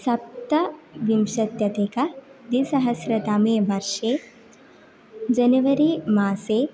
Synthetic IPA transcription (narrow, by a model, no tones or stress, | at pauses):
sɐp̚t̪ɐʋimʃɐt̪jɐt̪eːkɐd̪isɐɦɐsɾɐt̪aːmeːʋɐɾʂeː | d͡ʒɐnɐʋɐɾimaːseː